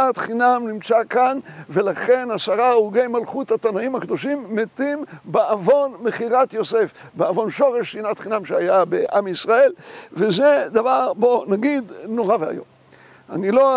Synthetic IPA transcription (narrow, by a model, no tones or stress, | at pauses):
at̪χinamnimt͡sakanve̞laχe̞nasaʁaeuɡe̞jmalχut̪hat̪anaimhakd̪o̞ʃimːet̪imbeavo̞nmeχiʁat̪jo̞se̞f | beavo̞nʃo̞ʁe̞ʃsinat̪χinamʃeajabeʔamisʁae̞lvezed̪avaʁbo̞naɡid̪no̞ʁavea̰jo̞̰m | a̰nilo